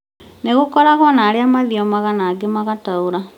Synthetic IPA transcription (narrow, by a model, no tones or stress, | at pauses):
neɣukoɾaɣonaːɾiamaðiomaɣanaɡemaɣatauɾa